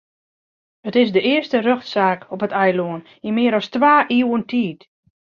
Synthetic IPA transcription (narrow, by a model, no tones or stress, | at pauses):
ətɪsdəɪəstərøxtsaːkɔpətʰɛjloən | imɪəɾɔstʋaːʔiːwəntʰiːt